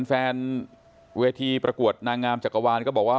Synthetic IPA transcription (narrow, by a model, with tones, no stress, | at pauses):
nfɛː˧n | weː˧t̪ʰiː˧pɾʔa˧ku˨˩ət̪̚naː˧ŋːaː˧mt͡ɕa˨˩kːa˧waː˧nkɔː˥˩bɔː˨˩k̚waː˥˩